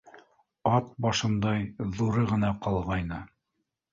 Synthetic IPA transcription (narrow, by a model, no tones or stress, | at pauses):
ɑt̪̚bɑʃɤ̆nd̪ɑjðuɾɤʁɤ̆nɑqɑlˠʁɑjnɤ